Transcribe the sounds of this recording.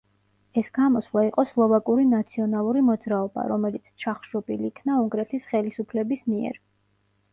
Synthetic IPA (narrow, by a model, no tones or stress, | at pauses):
ɛsɡ̥amɔsvlˠaiqʼɔslˠɔvakʼuɾinat̪sʰiɔnalˠuɾimɔd̪zɾaɔba̰ɾɔmɛlit̪sʰt͡ʃʰaχʒ̥ɔpʼilikʰnauŋɡɾɛt̪ʰisχɛlisupʰlɛbismiɛ̰ɾ